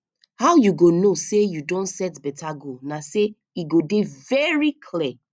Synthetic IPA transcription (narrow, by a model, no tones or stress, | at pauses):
haʊjuɡonosejudɔ̃ntsɛtbɛtaɡonase | iɡodevɛɹikʰlɛ